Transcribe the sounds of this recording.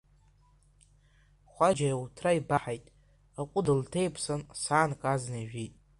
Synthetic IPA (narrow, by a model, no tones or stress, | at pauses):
χʷad͡ʒajwtʰraibaħajtʼ | aqʷʼʊdɨltʰejpʰsansaːnkʼaznajʒᶣitʼ